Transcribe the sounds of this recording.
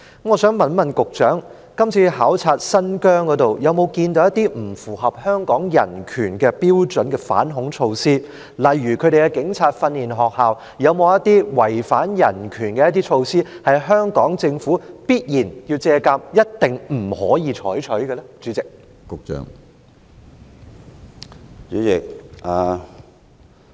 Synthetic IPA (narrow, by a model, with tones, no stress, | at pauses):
mŋɔː˨˧sœː˨˥ŋmɐ˨nmɐ˨nkʊ˨k̚t͡ʃœː˨˥ŋ | kɐ˥mt͡sʰiː˧haː˨˥wt͡sʰaː˧t̚sɐ˥nkœː˥ŋkɔ˨˧˥t̪o˨wjɐ˨˧wmo˨˧wkiː˧nt̪o˨˧wjɐ˥t̪iː˥m̩˨˩fuː˨˩ɦɐ˨p̚hœː˥ŋkɔː˨˥ŋjɐ̰˨˩nkʰyː˨˩nkɛ˧piː˥wt͡ʃɵ˨˥nkɛː˧fa̰ː˨˥nɦʊ˨˥ŋt͡ʃʰo˧wsiː˥ | lɐ˨˩jːyː˨˩kʰɵ˨˧ɥɾe˨jkɛ˧kɪ˨˥ŋt͡sʰaː˧t̚fɐ˧nliː˨nɦɔː˨k̚haː˨w | jɐ˨˧wmo˨˧wjɐ˥t̪iː˥wɐ˨˩jfaː˨˥njɐ˨˩nkʰyː˨˩nkɛː˧jɐ˥t̪̬iː˥t͡ʃʰo˧wsiː˥hɐ˨jɦœː˥ŋkɔː˨˥ŋt͡sɪ˧ŋfuː˨˥piː˥t̚jiː˨˩nji˧wt͡sɛː˧kaː˧p̚jɐ˥t̚t̪ɪ˨ŋm̩˨˩hɔ̰ː˨˥jiː˨˧t͡ʃʰɔː˨˥jt͡ʃʰɵ˨˥ɥɡɛ˧lɛ˥t͡ʃy˨˥t͡sɪ˨k̚ | kʊ˨k̚t͡ʃœ̰ː˨ŋ | t͡ʃyː˨˥jɪ˨k̚ʔaː˨